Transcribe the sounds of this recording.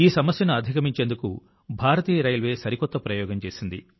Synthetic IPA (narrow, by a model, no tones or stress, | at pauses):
iːsɐmɐsjɐnuɐd̪ʱikɐmiɲt͡ʃeːnd̪ukṵ | bʱaːɾɐt̪iːɐɾɐjlʋe̞ːsɐɾikɔt̪ːɐpɾɐjɔːɡɐmt͡ʃe̞ːsind̪ḭ